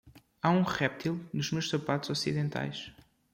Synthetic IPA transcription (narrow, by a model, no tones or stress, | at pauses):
aũʁɛp̚t̪ilˠnuʒmewʃsɐpat̪uz̥ɔsiðẽnt̪ʰa̰jʃ